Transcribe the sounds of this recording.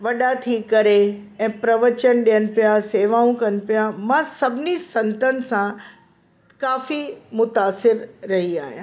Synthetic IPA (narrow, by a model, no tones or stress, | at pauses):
ʋɐɗat̪ʰikɐɾe | ɛ̃ːpɾɐʋət͡ɕənɗijənɪ̆pijaseːʋaːũkɐnɪ̆pijamãsɐbʱɪnisɐ̃nt̪ənɪ̆sã | kaːfimʊt̪aːsɪɾːɐɦia̰ːɦja̰ː